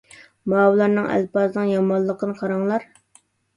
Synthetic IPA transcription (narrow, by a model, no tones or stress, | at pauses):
mɑːwlˠɑɾnɨŋæ̰lpɑznɨŋjɑmɑlˠːəqənɨqʰɑɾɑŋlˠɑɾ